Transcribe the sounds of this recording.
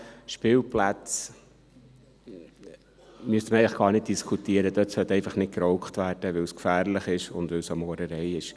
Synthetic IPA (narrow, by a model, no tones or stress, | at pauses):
ʃpɪːlplæt͡s | myəstməɛɪləχɡ̥ɑːɾnɪt̚d̥iskʰutiəɾəd̥̪œtsœtɛɪfɑχnɪt̚kɾɔʊkχt̪ʋæːɾd̥əʋɪwskfæːɾlɪχɪʃʊ̰ndʋɪlsɑmɔːɾəɾɛjɪʃ